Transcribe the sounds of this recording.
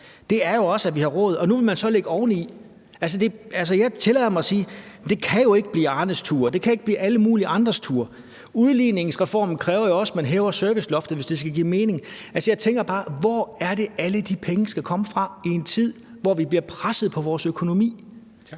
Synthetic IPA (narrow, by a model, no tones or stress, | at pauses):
d̥e̝æɐjo̝ɒ̽sæʋihɑ̈ʁɔ̰̽ːð̞̩ˠɒ̽nuʋe̝lmænsɒ̽le̝ɡ̥əɒːʊnəi | æls̬əd̥e̝æls̬əjɑ̈ɪt͡sʰe̝lɛɪ̰ɐmɑ̈ɪsiːd̥e̝kʰæjo̝e̝ɡ̥əb̥liːɑ̈ːnəst͡sʰuːɐd̥e̝kʰæe̝ɡ̥̚b̥liːʔæləmuːliʔɑ̈nd̥ʁɐst͡sʰuːɐ | uðˠliːne̝ŋsʁɛfɒ̰ːm̩kʰʁɛːʊɐjo̝ɒ̽smænɦɛːʊɐsœɐʋislɒ̽fd̥ð̩ˠʋe̝sd̥esɡ̥æɡ̥ḭːme̝ːne̝ŋælsəjɑ̈ɪt͡sʰeŋ̰ɡ̥ɐb̥ɑ̈ːʋɒæɐɾe̝æləd̥ipʰeŋəsɡ̥ækʰɒ̽məfʁɑ̈ie̝nt͡sʰið̞̰ˠ | ʋɒʋib̥liɐpʰʁasð̞̩ˠpʰɒ̽ʋɒːsøkʰo̝no̝mḭː